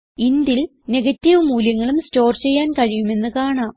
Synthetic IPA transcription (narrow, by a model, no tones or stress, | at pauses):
ind̪il | ne̞ɡɐtːiʋɨmuːljɐŋːɐɭumsto̞ːrt͡ɕe̞jːaːnkɐɻijume̞nːɨkaːɳaːm